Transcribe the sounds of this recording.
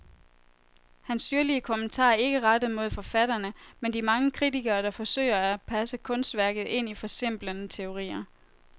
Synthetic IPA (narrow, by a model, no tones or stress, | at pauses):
hænsd̥yɐliəkʰomənt͡sʰɑ̰̈ːæe̝ɡ̥əʁɑd̥əð̩ˠmo̝ð̞̰ˠfɒ̽fæɾ̥ɐnəmend̥imɑ̈ŋəkʰʁit͡sʰiɡ̥ɐːd̥ɑ̈fɒ̽sø̰ɪ̰ɐæpʰæsəkʰɔ̽nsd̥ʋæɐɡ̥ð̩ˠe̝n̰ifɒ̽se̝m̰b̥lənət͡sʰe̝o̝ʁḭːɐ